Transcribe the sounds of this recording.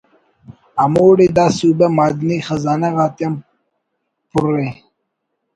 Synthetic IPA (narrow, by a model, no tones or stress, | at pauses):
amoːɽid̪ɑːsubemaːd̪nixazaːnaɣɑːt̪jam | pʊɾːe